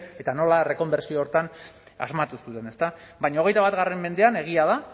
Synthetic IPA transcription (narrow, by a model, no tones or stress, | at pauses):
e̞t̪ano̞lare̞ko̞mbe̞ɾsioːɾt̪an | a̰zmat̪usut̪e̞ne̞st̪abajɲao̞ɣ̞e̞jt̪aβat̪ɣaremːe̞nd̪e̞ane̞ɣ̞iaða